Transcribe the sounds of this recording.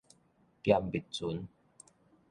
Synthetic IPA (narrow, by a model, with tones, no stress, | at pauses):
kja˧mbi˨˩t̚t͡su˨˦n